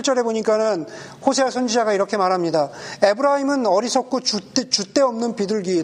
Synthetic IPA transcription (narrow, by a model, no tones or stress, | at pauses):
ɭt͡ɕ͈ʌɾe̞boɲik͈anɯnɸosʰewasʰʌnd͡ʑid͡ʑaɡaiɾʌkʰe̞maɾɦamɲidae̞bɯɾaimɯnʌɾisʰʌk̚k͈ʰot͡ɕut͈t͡ɕut͈e̞ʌmnɯnpidɯɭɡiː